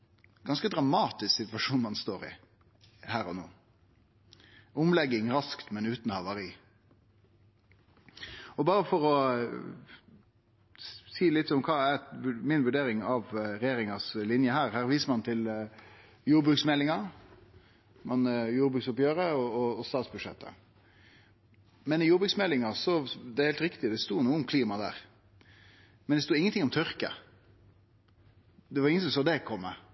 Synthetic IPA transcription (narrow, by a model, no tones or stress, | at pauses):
ɡɑnskəd̪ɾɑmɑːt̪ɪsksɪt̪ʋɑʂuːnmɑnst̪oːɾɪ̰ | hæːɾɔno̰ː | ʊmlɛɡːɪŋɾɑskt̪mɛnʉːt̪n̩hɑʋɑɾiː | ɔbɑːɾəfɔɾɔ | siːlɪt̪ːɔmkʰɑːæʋʉmɪnʋʉɖeːɾɪŋɑʋɾɛjeːɾɪŋɑslɪnjəhæːɾhæːɾʋiːsəmɑnt̪ʰɪl | juːɾbɾʉːksmɛlːɪŋɑ | mɑnjuːɾbʉːksɔpjøːɾəɔɔɔst̪ɑːt̪sbʉd̪ʃɛ̰t̪ːə̰ | mɛnɪjuːɾbɾʉksmɛlːɪŋɑsɔd̪ɛæhɛːlt̪ɾɪkt̪ɪd̪ɛst̪uːnuːəɔmkʰliːmɑd̪æ̰ːɾ | mɛnd̪ɛst̪uːɪŋːənʰɪŋːɔmt̪ʰʏɾkə̰ | d̪ɛʋɑɾɪŋːəsɔsoːd̪ɛkʰɔmːə